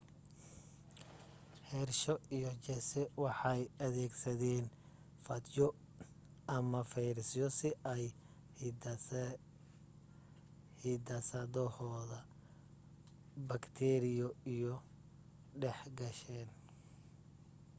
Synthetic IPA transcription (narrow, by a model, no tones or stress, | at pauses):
hɛrʃɔʔijɔt͡ʃɛsɛwɑħɑjɐðɛːɡsɐðɛːn | fɐd̪jɔ | ɐmɐfɛjɾsjɔsɪʔɛj | hid̪ɐsɐðɔhɔːðɐ | bɐkt̪ʰɛɾɪjɔijɔ | ɖɛħɡɐʃɛːn